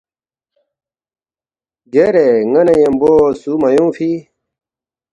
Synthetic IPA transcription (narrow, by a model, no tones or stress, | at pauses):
ɡeɾeŋɐnejemboːsumɐjũːfʰi